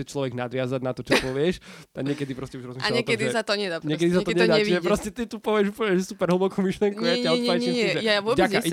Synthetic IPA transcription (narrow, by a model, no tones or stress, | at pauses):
ɛt͡ʃlɔʋɛɡnad̪ʋɪazaɟnat̪ɔt͡ʃɔpɔʋɪɛʃt̪aɡɲɪɛkɛd̪ipɾɔscɛuʒɾɔzmiʃɛaɲɛk̪ɛd̪iɛsat̪ɔɲɛd̪aɲɛkɛd̪isat̪ɔɲd̪aɛiʒɛpɾɔscɛt̪it̪upɔʋɪɛʒupl̩əɲɛʒɛsupɛɾɦl̩ˠbɔkuːmiʃlɪjɛŋkujaaaiiɛʒɛjaaʋɔbaaʔ